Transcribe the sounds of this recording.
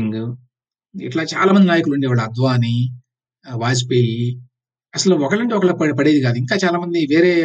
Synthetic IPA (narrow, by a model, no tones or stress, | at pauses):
ŋɡu | ḭʈlaːt͡ʃa̰ːlaːmɐnd̪inaːjɐkuluɳɖiʋaːɭɐɐd̪ʋaːni | ʋaːs̬ipeːji | ɐsɐluɔkɐɭɐɳʈiɔkɐɭɐpɐpɐɽeːd̪iɡaːd̪uiŋkaːt͡ʃaːlaːmɐnd̪iʋeːɾeː